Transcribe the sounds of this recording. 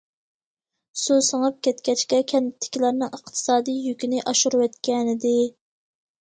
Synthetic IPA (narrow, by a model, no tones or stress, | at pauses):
susəŋɑp̚kʲɛt̪kʲɛt͡ʃkʲɛkʲʰɛnt̪ʰːɪ̥kʲilæɾnɨŋəqt̪ʰɨ̥sɑːd̪ijjykʲinɪʔɑʃuɾuwɛt̪kʲɛnɪd̪ɪ